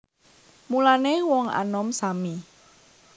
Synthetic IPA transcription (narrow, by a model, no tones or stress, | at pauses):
mulanewɔŋa̰nɔmsami